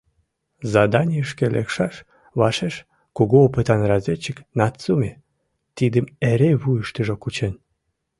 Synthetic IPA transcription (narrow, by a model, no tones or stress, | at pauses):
zɑd̪ɑnʲiəʃkelʔḛkʃɑʃ | βɑʃeʃ | kuɣoːpət̪ɑnrɑzʲet͡ɕːəknɑt̪t͡sumʲe | t̪id̪əmeɾeβujəʃt̪əʒokut͡ɕen